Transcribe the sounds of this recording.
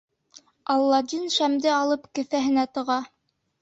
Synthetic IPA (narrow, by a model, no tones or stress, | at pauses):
ɑlˠːɑd̪inʃæmd̪ɘɑlˠɤpkɘ̆θæɦɘ̆næt̪ɤ̆ʁɑ